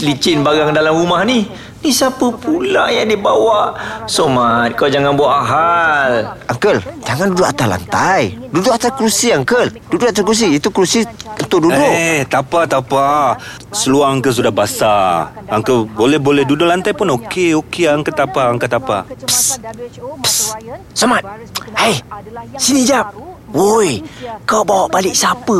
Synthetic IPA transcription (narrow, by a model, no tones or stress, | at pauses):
lit͡ʃɪnbaɡaŋdalamɾumahnih | nisapəpula̰jaŋdibawaʔsomat̪̚kalad͡ʒaŋanbuaʔaɦalʔaŋkəld͡ʒaŋandudʊʔat̪ala̰nt̪ajdudʊʔat̪akɾusiaŋkəldudʊʔat̪akɾus̬iit̪ukɾusiut̪ʊʔ̚dudʊet̪apat̪apa | səluaŋaŋkəs̬udahbasaaŋkəbolɛhbolɛhdudʊʔlant̪ajpʊnokeokeaŋkəlt̪apaaŋkat̪apa̰ps | s | samat̪̚ | hajsinid͡ʒap̚wojkawʔbawaʔbalɪk̚sapə